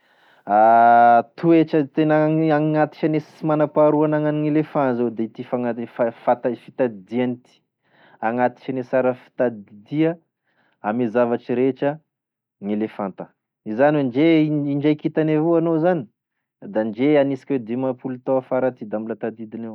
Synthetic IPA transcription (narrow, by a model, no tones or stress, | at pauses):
a | t̪uet͡ʃət̪enaaŋat̪i̥t͡ʃanesi̥manapaɾuanaŋaniŋelefãnzewd̪eit̪ifaŋafafat̪afit̪ad̪ianit̪i̥ | aŋat̪i̥t͡ʃanesaɾəfi̥t̪ad̪d̪iə | amizavaʈ͡ʂiɾet͡ʃə | ŋelefant̪ə | izanweɳd͡ʒeiɳd͡ʒajkit̪anevoanozani̥ | d̪and͡ʒeanisi̥kwed̪imapulut̪oafaɾat̪id̪ambilat̪ad̪id̪inew